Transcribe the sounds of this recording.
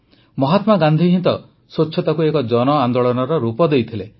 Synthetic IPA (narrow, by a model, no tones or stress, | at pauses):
mɔɦat̪maɡand̪ʱiɦint̪ɔ | sot͡ʃʰːɔt̪akuekɔd͡ʒɔnɔand̪oɭɔnɔɾɔɾupɔd̪ejt̪ʰile